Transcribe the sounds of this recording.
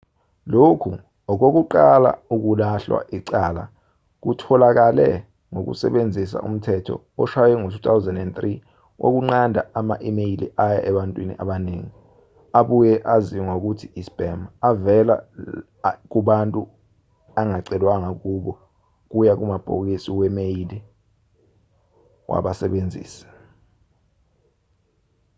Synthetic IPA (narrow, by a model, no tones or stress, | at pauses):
lokʰu | ɔk̬ok̬uǃala̰uk̬ulaɬwa̰ʔiǀaːla̰ | k̬utʰɔlak̬alɛ̰ | ŋok̬ṵsɛɓend͡zʱis̬a̰ʔṵm̩tʰɛtʰɔ̰ | ɔʃawɛŋotʰu̥t̪ʰawzɛndɛnt̪ri | wʔo̰k̬uŋ͡ǀandʱaama̰ʔimejilḭʔaja̰ʔɛɓantʼwinḭʔaɓaneːŋi | aɓujɛʔaziɔŋok̬utʰiisb̥ʱɛmaavɛla̰ | k̬uɓantʼu | aŋaǀɛlwaŋak̬ʼuɓɔ | k̬ujak̬umab̥ʱok̬isiwɛmejili | wʔa̰ɓasɛɓend͡zʱḭːsḁ